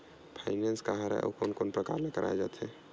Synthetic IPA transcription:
pʰaɪnenskaɦaɾa̰ʔo̰konkonpɾəkaɾlekəɾʔa̰jd͡ʒat̪ɦɛ

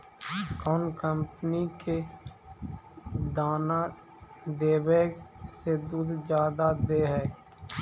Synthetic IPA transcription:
kɔːnkəmpnike | d̪aːna | d̪eːweːksed̪uːd̪d͡ʒjaːd̪ad̪eːɦɛː

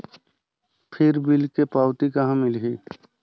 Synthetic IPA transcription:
pʰɪɾbɪlkepaːwt̪ikəɦãmɪlɦiː

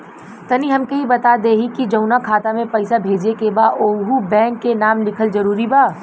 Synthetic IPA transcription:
t̪ɐniɦɐmkɐibɐt̪ad̪eːɦikid͡ʒɐʊnakʰaːt̪amẽpɐɪsabʱeːd͡ʒekebaoːɦubɛ̃ːŋkːenaːmlɪkʰəlzɐɾuːɾibaː

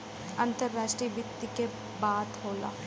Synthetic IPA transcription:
ə̃nt̪əɾːaːʃʈɾiːbɪt̪ːike | baːt̪ɦoːla̰ː

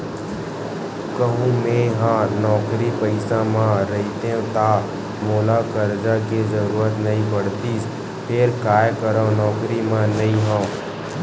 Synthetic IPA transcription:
kəɦũmẽɦãːnɔːkɾipɐɪsãmãɾɐɦit̪ẽt̪aː | moːlakəɾd͡ʒakezəɾuːɾət̪nɐĩbəɽt̪is | pʰɪɾkaːjkəɾãnɔːkɾimãnɐĩɦã

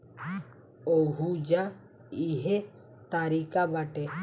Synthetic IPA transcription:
oɦud͡ʒa | iɦe | t̪aɾikabaʈe

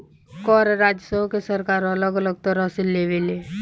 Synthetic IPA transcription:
kɔːɾɾaːd͡ʒəsə̃kesəɾkaːɾɐləɡələɡ̚t̪əɾəsɪlːeʋele

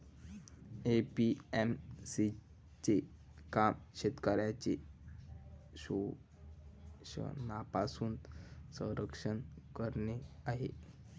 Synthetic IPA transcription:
epiemsi | t͡ɕe | kamɕet̪kaɾjat͡ɕe | ɕo | ɕə̰napasuːnsə̃ɾəkʂənkəɾneaɦḛ

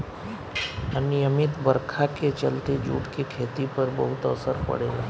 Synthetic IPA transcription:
əniəmɪt̪bəɾkʰaket͡ʃəlt̪ed͡ʒṵːʈkekʰeːt̪ipɐɾbəɦʊt̪ə̰səɾpɐ̰ɽ̤eːlaː

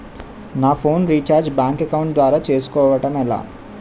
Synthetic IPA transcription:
naːpʰo̞ːnɾiːt͡ʃaːɾd͡ʒbaːŋkɐkɐwɳʈ̚d̪ʋaːɾaːt͡ʃe̞ːsu̥kɔːʋɐʈɐmɛla̰ː

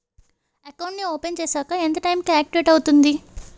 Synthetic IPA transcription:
ɐkɐwɳʈnioːpent͡ʃeːsaːkɐent̪̬ɐʈɐjmkiaːk̚ʈiʋeːʈɐwut̪und̪i

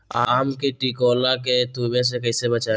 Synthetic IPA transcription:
aːmkeʈikoːlaket̪uːbes̬ekɐisebɐt͡ʃaː

